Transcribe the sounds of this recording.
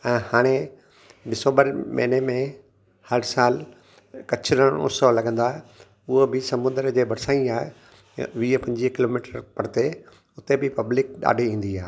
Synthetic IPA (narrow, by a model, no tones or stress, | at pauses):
ɛ̃ːhaːɽ̃e | ɖɪsə̃ːmbəɾmɐ̰ːnemẽ | hɐɾsaːl | kɐt͡ɕʰɾəɽ̃ʊ̰solɐɡʱə̃n̆d̪aːɦe | ʊɦobɪsɐmʊ̃nd̪əɾd͡ʑeːbɐɾsaːĩaːɦe | ʋiːpɐ̃ɲd͡ʑikɪloːmiːʈəɾpɐɾt̪e | ʊt̪ebɪpɐblɪk̚ɗa̰ːɖʱiĩːn̆d̪iaːɦe